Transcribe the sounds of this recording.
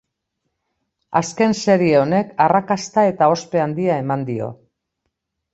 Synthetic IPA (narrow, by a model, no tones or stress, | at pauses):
aske̞nse̞ɾieo̞ne̞karakast̪ae̞t̪ao̞spe̞and̪iae̞mand̪io̞̰